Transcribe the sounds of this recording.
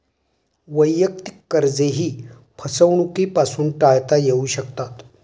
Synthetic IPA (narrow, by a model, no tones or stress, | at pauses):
ʋəjːək̚t̪i̥kːəɾd͡zeɦiː | pʰəsəʋɳukipasuːnʈajt̪ajeuɕəkt̪at̪